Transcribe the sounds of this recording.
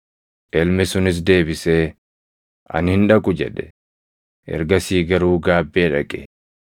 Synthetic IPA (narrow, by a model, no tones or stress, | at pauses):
ʔɛlmɛsʊnɪs̬d̪e̞ːbɪseː | ʔɐ̰nhɪnᶑɐkʼʊd͡ʒɛ̰ᶑɛ̥ | ʔɛ̰ɾɡɐsiːɡɐɾuːɡaːbːeːᶑɐkʼɛ